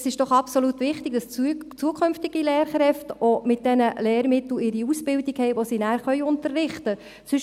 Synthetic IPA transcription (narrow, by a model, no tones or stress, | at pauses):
sɪʃd̥ɔχɑpsolut̪ʋɪχtɪɡ̥̚d̥ɑst͡suəkʰχʏmftɪɡ̥ilɛːɾχɾɛftomɪt̚d̥ɛnəlɛːɾmɪt̪l̩ɪɾiusb̥ɪldiɡhɛjʋosinæːɾχœʏʊntərːɪχtə | sʏʃ